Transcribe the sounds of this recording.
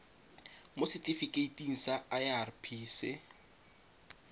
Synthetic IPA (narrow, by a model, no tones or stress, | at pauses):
mosɪtʼifikʼeitʼiŋ̩saajarpʰiːsɪ